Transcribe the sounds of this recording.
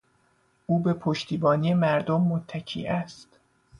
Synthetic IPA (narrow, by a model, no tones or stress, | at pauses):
ʔuːbe̞pʰoʃt̪ʰiːbɒːnijemæɾd̪omːot̪ʰːæcʰḭːʔæst̪